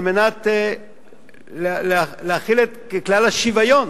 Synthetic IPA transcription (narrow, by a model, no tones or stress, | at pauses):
lmenat | llealeaχilet̪ | eklalaʃivajon